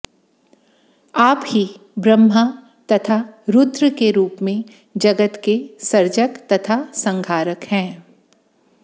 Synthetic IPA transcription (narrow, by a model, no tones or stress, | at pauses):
aːphi | bɾəmːa | t̪ɐt̪ʰaɾʊt̪ɾəkeɾuːpmẽ | d͡ʒɐɡət̪kesɐɾd͡ʒəkt̪ɐt̪ʰasɐ̃ŋɡʱaːɾəkhɛ̃ː